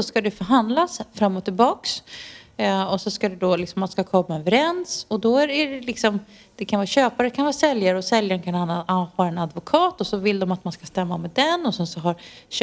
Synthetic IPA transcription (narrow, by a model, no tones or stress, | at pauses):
ɔskad̪ɛfœɾɦand̪lasfɾamːɔt̪ːɪlbɑːks | ɔsɔskad̪ɛd̪ɔlɪksɔmːanskakʰɔmːaɛnvɛɾɛnsɔd̪ɔæɖɛɖɛlɪksɔm | d̪̥ɛkʰanvɑːɕøːpaɾkʰanvɑːsɛljaɾəɔsɛljaɾnkʰananːahaɾɛnad̪vʊkʰɑːt̪ɔsɔvɪld̪ɔmat̪manskast̪ɛmːamɛd̪ɛnːɔsɛnsɔɦaɾ